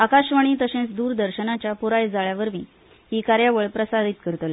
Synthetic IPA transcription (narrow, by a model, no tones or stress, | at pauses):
akaɕʋaɽ̃iːt̪əɕẽt͡sd̪uːɾd̪əɾɕənat͡ɕjapuɾajd͡zaɭjaʋəɾmiː | hiːkaɾjaʋəɭpɾəsaɾit̪kəɾt̪le